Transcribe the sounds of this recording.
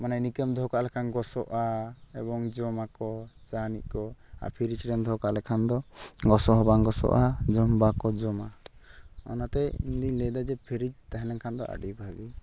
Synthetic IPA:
mananikəmd̪ʱɔkaʔlɛkʰanɡɔsɔʔaɛbɔŋd͡ʒɔmakɔd͡ʒanḭʔ̚kɔa̰pʰiɾid͡ʒɾɛnd̪ʱɔkaʔlɛkʰand̪ɔɡɔsɔɦɔbaŋɡɔsɔ̰ʔad͡ʒɔmbakɔd͡ʒɔma | ɔ̰nat̪ɛḭnd̪iɲlɛd̪ad͡ʒɛpʰiɾid͡ʒt̪aɦɛlɛŋkʰand̪ɔ̰ʔa̰ɖibʱabi

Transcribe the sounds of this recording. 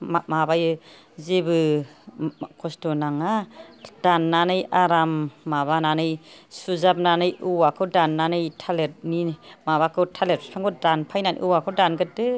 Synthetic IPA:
mmabajɯ | zebɯ | kʰɔstɔnaŋad̥anːanɯjaɾamːaβananɯjsuzap̚nanɯjʔuwakʰɯdanːanɯjtʰalet̚nimaβakʰɯtʰalet̚pʰaŋɡɔdanpʰajnanʔḭʔuwakʰɯdanɡɯt̚dɯ

